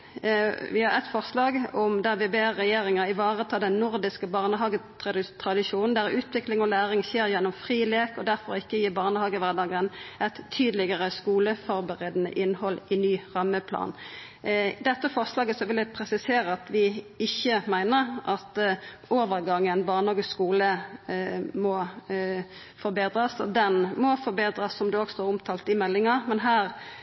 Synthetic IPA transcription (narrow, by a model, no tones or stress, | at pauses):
ʋɪhɑʁɛt̪fɔʁslɑːɡɔmd̪æʋɪbeːɾɛjeːʁɪŋəɪʋɑːʁət̪ʰɑːd̪ɛnnʊʁd̪ɪskəbɑːʁnəɦɑːɡə | t̪ʰʁɑd̪ɪʃuːnn̩d̪æɾʉːt̪ʋɪklɪŋɔlæːʁɪŋçeːɾjɛnːɔmfʁiːleːkɔd̪æʁfɔʁɪkːəjiːbɑːʁnəhɑːɡəʋæʁd̪ɑːɡənɛt̪ʰːyːd̪əlɪɡəʁəskuːləfɔʁbəʁeːd̪ənə̰ʔɪnhɔlɪnyːʁɑmːəpʰlɑ̰ːn | d̪ɛt̪ːəfɑʁslɑːɡəsɔʋɪləpʰɾɛsɪseːɾəɑt̪ʋɪɪçːəmæɪnəɾɑt̪oːʋəʁɡɑŋːənbɑːʁnhɑːɡəsskuːlə | mɔ | fɔɾbeːd̪ʁəsɔ̰d̪ɛnmɔfɔɾbeːd̪ɾəsːɔmd̪ʉɔɡst̪oːʁʊmt̪ʰɑːlt̪ɪmɛlːɪŋɑmɛnɦæːʁ